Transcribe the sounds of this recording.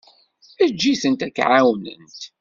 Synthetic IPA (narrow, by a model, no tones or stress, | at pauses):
æd͡ʒːiθənt̪ækʕawnə̰nt̪